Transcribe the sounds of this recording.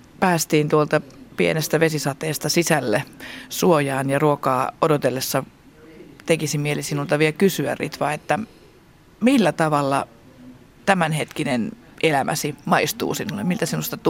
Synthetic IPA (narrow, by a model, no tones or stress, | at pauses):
pæːst̪iːnt̪uolt̪ɑpiḛnest̪æʋesisɑt̪eːst̪ɑsisælːesuojɑːnjɑruokɑːodot̪elːesːɑ | t̪ekisimielisinult̪ɑʋielkysyæ̰rḭt̪ʋɑet̪ːæ | milːæt̪ɑʋɑlːɑ̰ | t̪æmænhet̪kinen | ʔelæmʔæ̰simɑist̪ṵːsinulːemmilt̪æsinust̪ɑt̪